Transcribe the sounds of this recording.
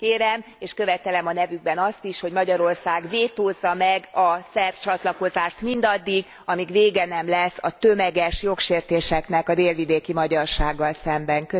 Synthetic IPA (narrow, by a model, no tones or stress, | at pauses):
keːɾɛm | eːʃkø̞vɛt̪ɛlɛmɒnɛvyɡ̚bɛnɒst̪iʃho̞ɟmɒɟɒɾo̞rsaːɡveːt̪oːzːɒmɛɡɒsɛrt͡ʃɒt̪lɒko̞zaːʃt̪mind̪ɒd̪ːiɡ | ɒmiɡʋeːɡɛnɛmlɛsːɒt̪ø̞mɛɡɛʃjo̞kʃeːrt̪eːʃɛknɛkɒd̪eːlvid̪eːkimɒɟɒrʃaːɡːɒlsɛmbɛŋkø